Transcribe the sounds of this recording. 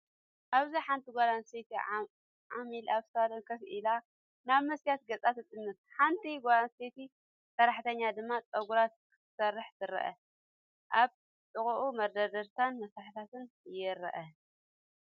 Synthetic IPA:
ʔaβziħant̪ʰiɡʷalanset̪ʰi | ʕamilaβsad̪ɐnkʰɐsʔila | naβmɐsjat̪̚ɡɐt͡sʼat̪ɨt̪ʼːɨnːɨt̪̚ħant̪ʰiɡʷalanset̪i | sɐɾaħt̪ʰɐɲːad̪ɨmːat͡sʼɐɡuɾat̪̚kʰɨ̥t̪ʰɨ̥sɐrːɨħt̪ɨɾɐ̰ʔɐ̰ | ʔaβ | t̪ʼɨkʼuʔumɐɾd̪ɐd̪ɐɾt̪ʰanmɐsɾaħit̪ʰat̪ʰɨn | jɪɾɐ̰ʔɐ

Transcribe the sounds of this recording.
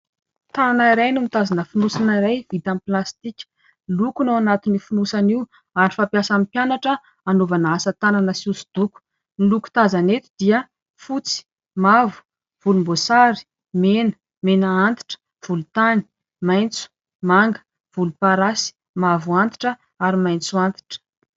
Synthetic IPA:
t̪ananaiɾajnumit̪azanəfunusanaiɾajvit̪amplast̪ikʲə̥ | lukunawanat̪inifunusaniw | aɾifapjasampjanaʈ͡ʂə | anovanaasət̪ananəsusu̥d̪̥uku̥ | niluku̥t̪azanet̪id̪iə | fut͡si̥ | mavu̥ | v̥ulumbosaɾi̥ | menə̥ | menaant̪i̥ʈ͡ʂə̥ | v̥ulut̪ani̥ | majnt͡su̥ | maŋɡə̥ | v̥ulupaɾasi̥ | mavuant̪i̥ʈ͡ʂə | aɾimajnt͡suant̪i̥ʈ͡ʂə̥

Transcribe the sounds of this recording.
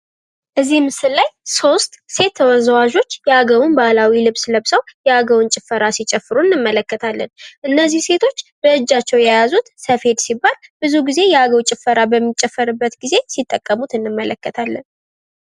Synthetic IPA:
ʔɨzːimɨsɨlːajso̞st̪se̞t̪ʰːəwəzwaʒo̞t͡ʃːjɛaɡəwʊnbalawilɨβsləβsəwjɛaɡəwʊnt͡ʃʼɪfːəɾasit͡ʃʼɛfːɨɾunːɨmːələkːət̪ʰalːənʔɨnːəzːihse̞t̪ʰo̞t͡ʃːbəɨd͡ʒːat͡ʃːɛwjajazut̪səfhe̞d̪sibːalbɨzuɡize̞jɛaɡəwt͡ʃʼɪfːəɾabəmːit͡ʃʼɛfːəɾɨbːət̪ɡize̞sit̪ʼːəkʼːəmut̪ɨnːɨmːələkːət̪ʰalːən

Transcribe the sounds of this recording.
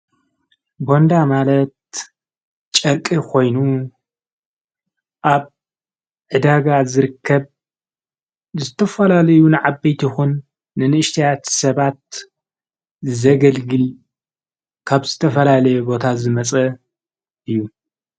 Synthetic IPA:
bo̞nd̪amalɐt̪̚ | t͡ʃʼɐɾkʼikʰo̞jnu | ʔaβ | ʕɨd̪aɡazɨɾɨkʰːɐβ | zɨt̪ʰɐfɐlalɐjunɨʕabejt̪ʰixunː | ɨnɨʔɨʃt̪ʰijat̪sɐβat̪̚ | zɐɡɐlɡɨl | kʰaβzɨt̪ʰɐfɐlalɐjɛbo̞t̪ʰazɨmɐt͡sʼɐ | ʔɨjːu

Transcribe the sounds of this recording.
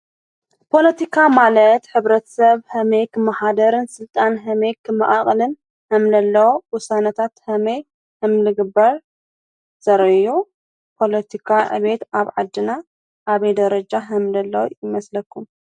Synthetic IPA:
pʰo̞lɐt̪ʰikʰamalɐt̪ħɨβɾɐt̪ʰɐ̥sɐβhɐmejkʰɨmːaħad̪ɐɾɨnsɨlt̪ʼanɦɐmejkʰɨmːɐʔaχʼlɨn | hɐmlɐlːɐwowʊsanɐt̪ʰat̪hɐmɐj | hɨmlɨɡɨbɐɾ | z̥ɐɾɐju | pʰo̞lɐt̪ʰikʰaʕɨ̰βe̞t̪aβʕad̪ːɨna | ʔaβɐjd̪ɐɾɐd͡ʒaɦɐmlɐlːɐwjɪmɐslɐkʰːum

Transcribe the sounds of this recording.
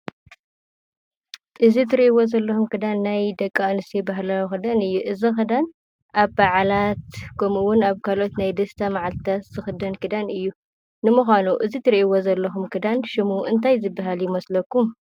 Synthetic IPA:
ɨzit̪ʰɨɾiʔiwozɐlːɐxumkʰɨd̪anːajd̪ɐkʼːaɨnɨst̪ʰebaɦlaxɨd̪anɨjːuʔɨzixɨd̪an | ʔaβbaʕlat̪kʰɐmuwʊnaβkʰalo̞t̪najd̪ɐst̪ʰamaʕalt̪ʰat̪z̥ɨxɨd̪ɐnkɨd̪anɨjːu | nɨmuxʷanuʔɨzit̪ʰɨɾiʔwozɐlːɐxumkʰɨd̪anʃɪmuʔɨnt̪ʰajzɨbːaɦaljɪmɐslɐkːum

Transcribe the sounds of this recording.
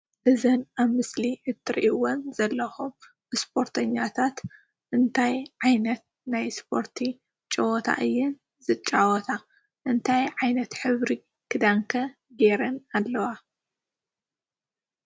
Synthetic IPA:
ʔɨzɨnaβmɨsliʕɨt̪ʰːɨɾḭʔiwonzɐlːɐxum | ɨspʰo̞ɾt̪ʰɐɲːat̪ʰat̪ | ʔɨnt̪ʰajʕajnɐt̪̚ | najspʰo̞ɾt̪ʰi | t͡ʃʼɐwɔt̪ʰa̰ʔɨjːɪn | zɨt͡ʃʼːawɔt̪ʰa | ʔɨnt̪ʰajʕajnɐt̪ħɨβɾi | kʰɨd̪aŋkʰɐ | ɡeɾɐnalːɐwa

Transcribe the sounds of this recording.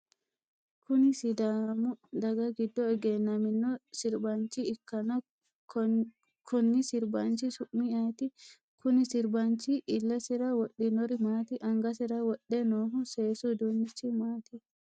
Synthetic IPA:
kʊnɪsɪd̪aːmʊd̪ɐɡɐɡɪd̪ːɔɛɡɛnːɐmɪnːɔsɪɾbant͡ʃiɪkːɐnɐ | kʰɔnːɪsɪɾbant͡ʃisʊʔmiaːt̪i | kʊnɪsɪɾbant͡ʃiʔːlːɐsɪɾɐwɔɗːinɔɾɪmaːt̪iʔɐŋɡɐs̬ɪɾɐwɔɗːɛnoːɦʊseːsud̪unːɪt͡ʃːimaːt̪i

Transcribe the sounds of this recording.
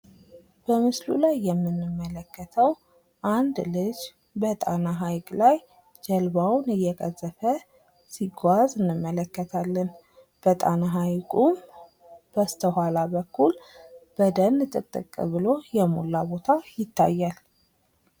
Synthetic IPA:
b̥əmɨslṵlajːɛmːɨnːɨmːələkːət̪ʰəw | ʔand̪lɨd͡ʒ | bət̪ʼa̰naɦajkʼlaj | d͡ʒɛlbawnɨjːɛkʼəzːəfə | siɡʷazɨnːɨmːələkːət̪ʰalːən | b̥ət̪ʼa̰naɦajkʼum | b̥əst̪ʰəhalabəkːulb̥əd̪ənːɨt̪ʼɨ̰t̪ʼːɨ̰kʼːɨ̰βɨlo̞jɛmṵlːabo̞t̪ʰajɪt̪ʰːa̰jːal

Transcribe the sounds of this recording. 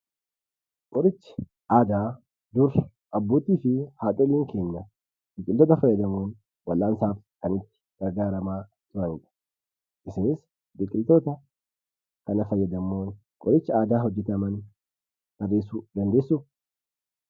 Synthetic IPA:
kʼɔɾɪt͡ʃːɪ̥ | ʔaːd̪aː | d̪ʊɾ | ʔɐbːoːt̪iːfɪhaːt̪ʼɔliːŋke̞ːɲːɐ | b̥ɪkʼɪlt̪oːt̪ɐfɐjːɐd̪ɐmoːn | wɐlːaːnsaːfkɐnɪt̪ːɪ̥ɡ̥ɐɾɡaːɾɐmaː | t̪ʊɾɐnɪᶑɐ̥ | ʔɪsɪnɪs | bɪkʼɪlt̪oːt̪ɐ | kɐnɐfɐjːɐd̪ɐmoːn | kʼɔɾɪt͡ʃːɪaːd̪aːɦɔd͡ʒːɛt̪ɐmɐn | ɡɐreːsuːd̪ɐnd̪e̞ːsːʊ

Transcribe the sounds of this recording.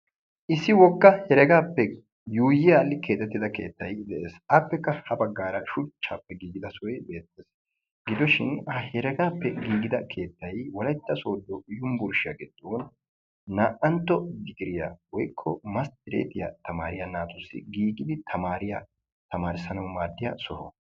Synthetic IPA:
ʔɪsːɪwɔkːɐhɛɾɛɡaːpːɛ | juːjɪjaːlːɪkʰe̞ːt̪ːɛt̪ːɪd̪ɐke̞ːt̪ːɐjd̪ɛʔeːsɐpːɛkːɐhɐbɐɡːaːɾɐʃʊt͡ʃːaːpːɛɡiːɡɪd̪ɐsɔjbe̞ːt̪ːeːs | ɡɪd̪ɔʃɪnhɐhɛɾɛɡaːpːɛɡiːɡɪd̪ɐkʰe̞ːt̪ːɐjwɔlɐjt̪ːɐsoːd̪ːɔjʊmbʊɾʃɪja̰ɡɪd̪ːoːn | naːʔɐnt̪ːɔɡɪɡɪɾɪjawɔjkʰːɔmɐst̪ɪɾḛːt̪ɪja̰t̪ɐmaːɾɪjanaːt̪ʊsːɪ̰ɡiːɡɪd̪ɪt̪ʰɐmaːɾɪja | t̪ɐmaːɾɪsɐnɐwmaːd̪ːɪjasɔhɔ̰

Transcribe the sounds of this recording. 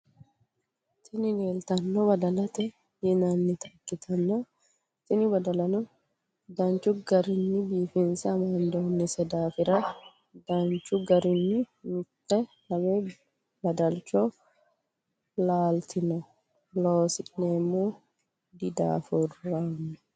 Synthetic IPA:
t̪ɪnɪneːlt̪ɐnːɔbɐd̪ɐlɐt̪ɛ | jɪnanːɪt̪ɐ̥kːɪt̪ʰɐnːɔ | t̪ɪnɪbɐd̪ɐlɐnɔ | d̪ɐnt͡ʃːʊɡɐɾɪnːɪbiːfɪnsɐmɐnd̪oːnːɪsɛd̪aːfɪɾɐ | d̪ɐnt͡ʃʊɡɐɾɪnːɪmʊtːɛ | lɐmeː | bɐd̪ɐlt͡ʃɔ | laːlt̪ɪnɔ | loːsɪneːmːuː | d̪ɪd̪a̰ːfʊrːamːɐ

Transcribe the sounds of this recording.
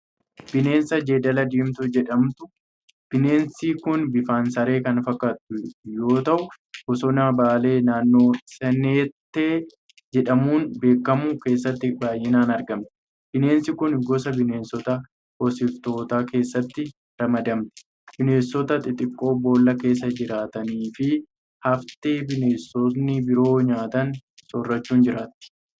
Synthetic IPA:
b̥ɪne̞ːnsɐd͡ʒeːd̪ɐlɐd̪iːmt̪ʊd͡ʒɛᶑɐmt̪ʊ | b̥ɪne̞ːnsiːkʊnbɪfaːnsɐɾe̞ːkɐnfɐkːaːt̪ʊjo̞ːt̪ɐʔʊ | ɡɔsɔnaːbaːle̞ːnaːnːo̞ːsɛneːt̪ːeː | d͡ʒɛᶑɐmuːnbe̞ːkːɐmʊke̞ːs̬ːɐt̪ːɪbaːjːɪnaːnɐɾɡɐmt̪ɛ̥ | b̥ɪne̞ːnsɪkʊnɡɔsɐbɪne̞ːnsɔt̪ɐ | hɔsɪft̪o̞ːt̪aːke̞ːsːɐt̪ːɪ | ɾɐmɐd̪ɐmt̪ɛ̥ | b̥ɪne̞ːsːɔt̪ɐt̪ʼɪt̪ʼɪkʼːo̞ːbo̞ːlːɐke̞ːs̬ːɐd͡ʒɪɾaːt̪ɐniːfɪ | hɐft̪eːbɪne̞ːsːɔsnɪbɪɾo̞ːɲaːt̪ɐnsɔrːɐt͡ʃːuːnd͡ʒɪɾaːt̪ːɪ̥

